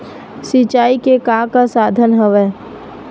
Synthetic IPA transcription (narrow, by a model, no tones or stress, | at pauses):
sɪt͡ʃaːikekãːkasaːd̪ʱənɦəʋɛː